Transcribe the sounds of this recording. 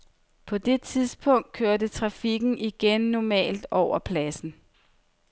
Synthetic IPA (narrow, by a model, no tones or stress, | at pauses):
pʰɒ̽d̥e̝t͡sʰiðˠsb̥ɔ̽ŋ̰d̥̚kʰøːɐdət͡sʰʁɑ̈fiɡ̥n̩ʔiɡ̥enːɒmɛ̰ːld̥ɒʊ̰ɐpʰlæsn̩